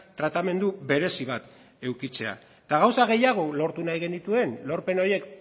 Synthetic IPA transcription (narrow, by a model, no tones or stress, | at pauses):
t̪ɾat̪ame̞nd̪uβe̞ɾe̞siβ̞at̪ | e̞wkit͡se̞a̰ | t̪aɣ̞awsaɣ̞e̞jaɣ̞o̞lo̞ɾt̪unajɣenit̪ue̞nlo̞ɾpe̞no̞je̞k